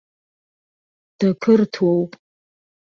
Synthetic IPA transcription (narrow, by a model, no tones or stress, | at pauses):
d̥akʰɨrtʰwowpʼ